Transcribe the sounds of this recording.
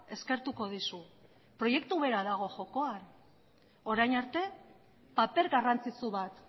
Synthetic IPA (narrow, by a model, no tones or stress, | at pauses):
e̞ske̞ɾt̪uko̞ðisu | pɾo̞je̞k̚t̪uβe̞ɾaðaɣ̞o̞ʝo̞ko̞an | o̞ɾajnaɾt̪e̞ | pape̞ɾɡarant͡sit͡suβat̪